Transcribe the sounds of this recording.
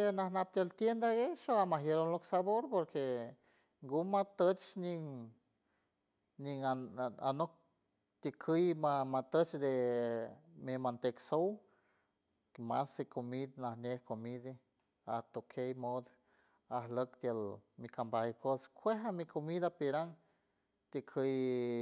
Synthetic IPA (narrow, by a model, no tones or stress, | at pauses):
enahnap̚t̪jelt̪jend̪aɡeʃoamaɦjeɾonloksaβoɾpoɾke | ŋɡumat̪ət͡ʃniŋ | niŋaa̰nok̚ | t̪jəkʰɨjmamat̪ət͡ʃd̪e | mimant̪eksow | masikomid̪nahnehkomid̪e | at̪okʰejmod̪ | ahləkt̪jalmikambahikoskʰʷeɦamikʰomid̪apiɾaŋ | t̪ikʰəj